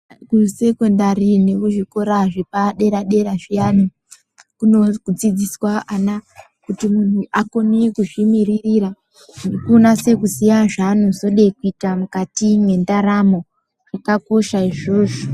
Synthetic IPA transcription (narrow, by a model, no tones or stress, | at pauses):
kuse̞kondarinekuʐiko̞ɾaʐepaɗe̞ɾaɗe̞ɾaʐijanu | kunokud͡zid͡ziswaana | kutimun̤uʔako̞nekuʐimiririɾa | ʐidikuonase̞kusijaʐanuzo̞ɗekuitamukatimwe̞ndaɾamo̞ | ʐakako̞ʃaiʐo̞ːʐo